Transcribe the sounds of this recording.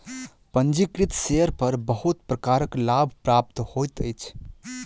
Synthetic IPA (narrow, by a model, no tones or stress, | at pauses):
pənd͡ʒikɾit̪seəɾpəɾbəɦut̪pɾəkaɾəklabʱpɾap̚t̪hojt̪əjt͡ʃʰ